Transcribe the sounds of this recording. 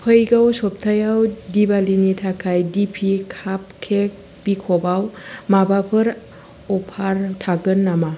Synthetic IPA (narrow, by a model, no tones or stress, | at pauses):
pʰəjɡawsɔp̚tʰajawdibalinitʰakʰajdipʰikʰap̚kʰek̚ | b̥ikʰɔbawmabapʰɯɾ | ɔpʰaɾtʰaɡɯnːama